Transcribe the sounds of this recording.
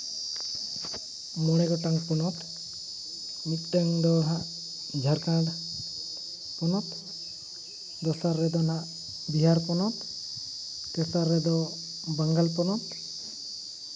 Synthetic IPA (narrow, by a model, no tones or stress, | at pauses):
mɔɽ̃ɛɡɔʈaŋpɔnɔt̪ | mit̪̚ˀʈaŋd̪ɔɦaʔ | d͡ʒʱaɾkãɽ | pɔnɔt̪ | d̪ɔsaɾːɛd̪ɔnaʔ | biɦaɾpɔnɔt̪ | kɛsaɾːɛd̪ɔ | baŋɡalpɔnɔt̪